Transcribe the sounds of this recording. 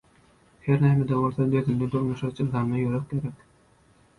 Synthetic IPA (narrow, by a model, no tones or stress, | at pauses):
heɾnæːmed̪eolˠθod̪øðynd̪ed̪onɑʃɑt͡ʃɯlɑːnnɑjøɾøk̚ɡeɾek